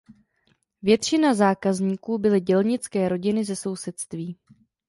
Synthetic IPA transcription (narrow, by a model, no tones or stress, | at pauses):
vjɛt̪t͡ʃɪnazaːkazɲiːkuːbɪlɪɟɛlɲɪt͡skɛːɾo̞ɟɪnɪzɛso̞wsɛt̪st̪viː